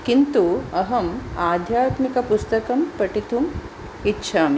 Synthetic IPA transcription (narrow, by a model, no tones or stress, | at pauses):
kint̪uɐɦɐmaːd̪ʱjaːt̪mikɐpust̪ɐkɐmpɐʈit̪ʰum | itːɕʰam